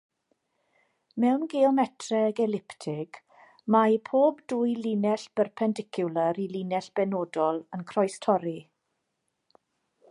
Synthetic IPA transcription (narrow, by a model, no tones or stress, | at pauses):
mɛwnɡɛɔmɛtʰrɛɡɛlɪptʰɪɡ̥ | majpʰoːbduːjlinɛɬb̥ərpʰɛndɪkʰjʊləɾilinɛɬb̥ɛnoːdɔlˠənkʰrɔjstʰɔɾi